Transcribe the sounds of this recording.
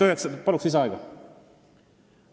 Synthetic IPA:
yɦekspɑluksis̬eɑˑeɡɑ

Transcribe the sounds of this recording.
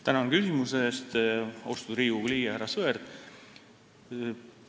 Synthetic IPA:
t̪ænɑnkysimusest̪ost̪uɾiːuɡliːjɑhæɾɑsɤeɾd̪̥

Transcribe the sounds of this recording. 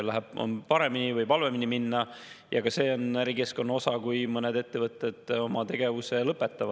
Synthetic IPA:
læɦæb̥o̰npɑɾe̞minivɯjpɑlve̞miniminːɑjɑkɑse̞ːo̞næɾike̞sko̞nːɑo̞sɑkujmɤned̪e̞t̪ːevɤt̪ːˑed̪̥o̞mɑt̪e̞ɡ̥e̞vuse̞lɤpːˑet̪ːˑɑvɑ̥

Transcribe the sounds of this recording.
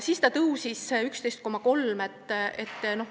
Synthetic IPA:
siːst̪ɑt̪ɤwsisykst̪e̞jst̪̚ko̞mːɑko̞lmet̪ːˑe̞t̪ːˑno̞h

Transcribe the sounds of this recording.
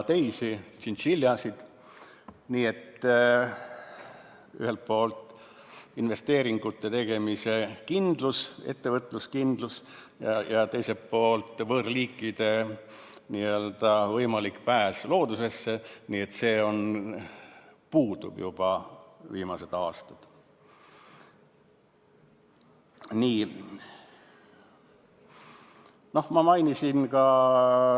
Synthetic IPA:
t̪e̞jsisinʃiljɑsid̪̥ | niːe̞t̪ː | y̰he̞lt̪̚po̞ːlt̪ | inve̞st̪e̞ːɾiŋɡ̥ut̪ːe̞t̪e̞ɡ̥e̞mise̞kind̪luse̞̰t̪ːe̞vɤt̪ːˑluskind̪̥lus | jɑjɑt̪e̞jse̞po̞ːlt̪ːˑvɤːrliːkːˑid̪̥e̞ | niøld̪̥ɑvɤjmɑlikpæːslo̞ːd̪̥use̞sːeniːe̞t̪ːse̞ːo̞n | puːd̪̥ṵb̥jub̥ɑviːmɑse̞d̪̥ɑːst̪ɑd̪̥ | niː | no̞hmɑmɑjnisinkɑ

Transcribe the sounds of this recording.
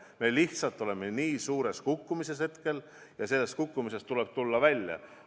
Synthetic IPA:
me̞liht̪sɑlt̪ːˑo̞le̞meniːsuːɾe̞skukːumise̞she̞t̪ke̞l | jɑse̞lːe̞st̪̚kukːˑumise̞st̪ule̞b̥̚t̪ulːɑvælʲjɑ̰

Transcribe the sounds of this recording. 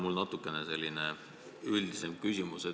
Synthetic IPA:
mulnɑt̪ːˑukːˑe̞nese̞lʲːine̞ | yld̪̥isemkysʲimuse

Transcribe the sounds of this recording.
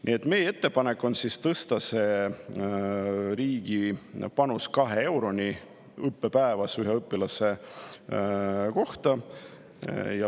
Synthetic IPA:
nʔḭe̞t̪ːˑme̞jee̞t̪ːe̞pɑnekːˑo̞nsist̪ɤst̪ɑse̞ | ɾiːɡ̥ipɑnuskɑɦee̞wɾo̞nʲi | ɤpːe̞pæevɑsyɦeɤpːˑilɑse̞ | ko̞ht̪ɑ | jɑ

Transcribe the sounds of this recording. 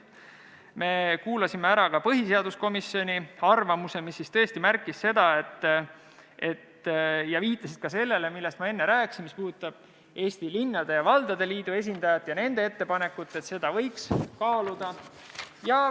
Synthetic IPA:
me̞kuːlɑsimeæɾɑkɑpɤɦise̞ɑd̪̥usko̞misːio̞nʲiɑrvɑmuse̞misːist̪ɤ̞est̪imærkːˑisːe̞d̪ɑe̞t̪ːˑ | e̞t̪ːjɑviːt̪ːˑɑsid̪t̪̚kɑse̞lːe̞le̞milːe̞st̪mɑe̞nːeɾæːksinmispuːd̪ut̪ːˑɑb̥ | e̞ːst̪ilinːɑd̪̥e̞jɑvɑld̪̥ɑd̪e̞liːd̪̥ue̞s̬ʲind̪̥ɑjɑt̪ːˑjɑne̞nd̪̥ee̞t̪ːe̞pɑne̞kːˑut̪ːˑe̞t̪se̞d̪ɑvɤ̞jkskɑːlud̪̥ɑ | jɑ

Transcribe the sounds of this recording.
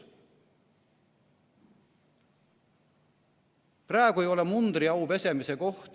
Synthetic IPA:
præːeɡ̥uejo̞lemund̪ɾiɑwpe̞se̞mise̞ko̞ht̪

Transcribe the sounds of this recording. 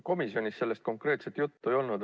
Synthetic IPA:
ko̞misio̞nʲisse̞lːe̞st̪̚ko̞ŋkre̞ːt̪se̞t̪jut̪ːue̞jo̞lnud̪

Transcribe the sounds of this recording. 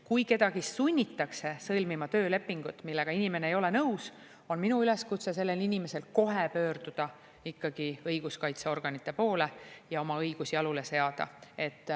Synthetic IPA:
kujke̞d̪ɑɡ̥isːunʲːit̪ːˑɑkse̞sɤlʲmimɑt̪ø̞ːle̞pːˑiŋɡ̥ut̪ːˑmilːe̞ɡ̥ɑinime̞neejo̞le̞nɤws | o̞nminuyle̞skut̪se̞s̬e̞lːe̞linʲime̞se̞lko̞ɦepø̞ːɾd̪̥ud̪̥ɑ | ikːɑɡ̥iɤjɡ̥uskɑjt̪seo̞rɡ̥ɑnit̪ːˑe̞po̞ːle̞jɑo̞mɑɤjɡ̥usiɑlule̞se̞ɑd̪̥ɑ̰e̞t̪ˑː

